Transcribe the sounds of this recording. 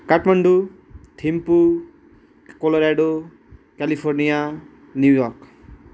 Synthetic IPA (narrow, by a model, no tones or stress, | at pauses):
kaʈmʌɳɖu | t̪ʰimpu | koloɾaɖo | kalipʰornija | njujɔrk